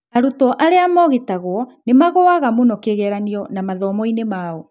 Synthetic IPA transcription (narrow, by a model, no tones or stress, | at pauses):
aɾutɔʔaɾeamɔɣetaɣwɔnemaɣoaɣamonɔkeɣɛɾaniɔnamaðɔmɔinemao